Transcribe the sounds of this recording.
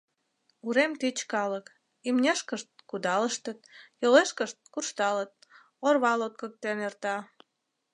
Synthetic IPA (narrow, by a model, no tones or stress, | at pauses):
uɾemt̪it͡ɕkɑlək | imnʲeʃkəʃt̪̚kud̪ɑləʃt̪ət̪̚joleʃkəʃt̪̚kurʃt̪ɑlət̪̚ | orβɑlot̪̚kək̚t̪enert̪ɑ